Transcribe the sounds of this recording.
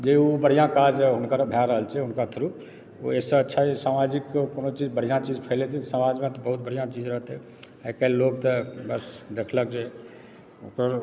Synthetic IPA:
d͡ʒeobəɽ̤ijãkad͡ʒɦʊnkaɾbʱjaɾəɦəlt͡ʃʰɛɦʊnkat̪ʰəɾu | o̰esəətːʃʰaesamad͡ʒikkoːnot͡ʃid͡ʒbəɽ̤ijãt͡ʃid͡ʒpʰəɪlet̪ʰisəmad͡ʒmẽt̪ɔbəɦut̪̚bəɽ̤ijãt͡ʃid͡ʒɾəɦət̪ɦɛ | ɛkəllːoɡt̪əbəsd̪ekʰləkd͡ʒe | okəɾ

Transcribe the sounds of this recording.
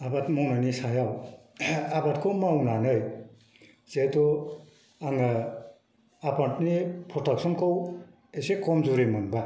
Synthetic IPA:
abatmɔwnanisajaw | abatkʰowmawnanɯj | setɔ | aŋa | apatnipʰɾɔtak̚sɔnkow | esekʰɔmzuɾemɯnba

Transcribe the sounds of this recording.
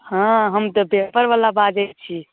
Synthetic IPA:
hãɦəmt̪ɔpepəɾʋalabad͡ʒet̪t͡ʃʰi

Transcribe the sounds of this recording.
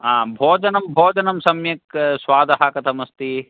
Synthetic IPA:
ãːbʱoːd͡ʒɐnɐmbʱoːd͡ʒɐnɐmsɐmjɐksʋaːd̪ɐɦaːkɐt̪ʰɐmɐst̪i

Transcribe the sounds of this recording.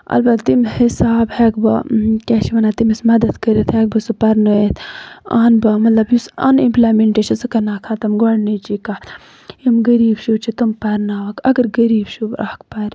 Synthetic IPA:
ɐ̰lbɐt̪t̪imhisaːbheːkbɐ̰keːt͡ʃʰiʋɐnaːt̪imismɐd̪ɐd̪kəɾit̪ʰheːk̚bɐsupɐɾnɐet̪ʰa̰ːnbɐmɐt̪lɐbjusɐ̰nimplameɳʈeːʃɐnsɨkɐnaːkʰaːt̪ɐmɡoɽnit͡ʃikaː | jimɡɐɾiːbʃut͡ʃʰit̪umpɐɾnaːʋɐkɐɡɐɾɡɐɾiːbʃuʔa̰hkpɐɾ

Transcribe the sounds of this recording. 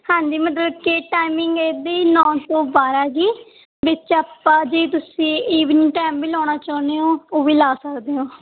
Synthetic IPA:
hãːɲd͡ʒiːmət̪̬ləbkeːʈaːɪmɪŋɡeːd̪eiːnɔ̃ːt̪õːbaːɾaːd͡ʒiː | ʋɪt͡ʃaːpːãːd͡ʒiːt̪̬ʊsĩːiːʋniːʈɛːmʋiːlɔːɽ̃aːt͡ʃaːneːõːoːʋiːlaːsəkd̪eːõː

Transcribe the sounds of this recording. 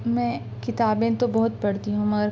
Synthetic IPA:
mɛ̃ː | kɪt̪aːbẽt̪obɐɦʊt̪̚pɐɽt̪iɦũmɐɡəɾ

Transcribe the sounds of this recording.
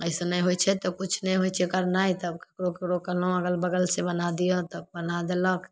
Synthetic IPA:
əɪsenəjɦojt͡ʃʰɛt̪ɔkut͡ʃʰnəjɦojt͡ʃʰɛkəɾnait̪əbke̥kɽokekɾokəɦlõəɡəlbəɡəlsebənad̪ijot̪əb̚bənad̪elək

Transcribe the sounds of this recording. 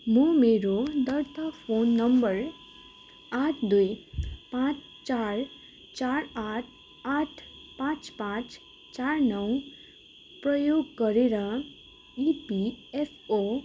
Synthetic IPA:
momeɾod̪əɾt̪apʰonːəmbəɾ | aːʈʰd̪ujpãt͡ʃ | t͡ʃaɾ | t͡ʃaɾaːʈʰ | aʈʰpãːt͡ʃpãt͡ʃ | t͡ʃaːɾnʌw | pɾəjoːɡ̚kʌɾeɾa | ipiefo

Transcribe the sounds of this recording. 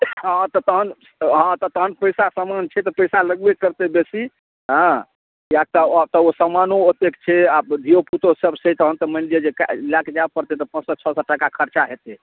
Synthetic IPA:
ɦãt̪ɔt̪əɦən | ɦãt̪ɔt̪əɦənpəjsasəmant͡ʃʰɛt̪ɔpəjsaləɡbekəɾt̪ebesi | ɦə̃ | jak̚t̪at̪ɔosəmanoot̪ekt͡ʃʰɛabd̪ʱijoput̪osəbsɛt̪əɦənt̪ɔmə̃nɖied͡ʒekalakd͡ʒabpəɾt̪et̪ɔpə̃nsɔt͡ʃʰɔsɔʈəkakʰəɾt͡ʃaɦet̪e

